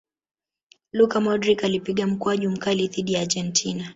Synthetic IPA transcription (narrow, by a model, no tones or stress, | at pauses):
lukamɔdɾikalipiɠam̩kɔaʄum̩kaliðiɗiad͡ʒɛntʰina